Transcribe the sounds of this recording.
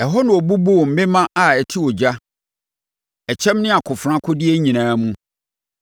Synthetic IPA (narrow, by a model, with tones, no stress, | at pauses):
ɛ˨ɦɔ˦nʊ̃˨ɔ˨bu˦bo˦˨m̩˨mɪ̃˦mã˦ʔa˨ɛ˨tʰi˦wɔ˨d͡ʑa˦ | ɛ˨t͡ɕʰɛ̃˦mnɪ̃˦a˨kʰʊ˨fɾã˦kʰʊ˦dɪ˦e˦ɲĩ˨nãː˦mũ˦